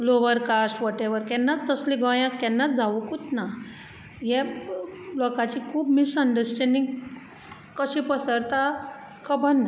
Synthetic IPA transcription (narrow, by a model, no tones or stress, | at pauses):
loʋəɾkasʈʋɔʈeʋəɾkɛnːat͡st̪əsliɡɔjãkɛnːat͡sd͡zaʋukut̪na | jɛ | lɔkat͡ɕikʰuːbmisəɳɖəɾsʈɛ̃ɳɖĩŋɡ | kəɕĩpəsəɾt̪a | kʰəbənːa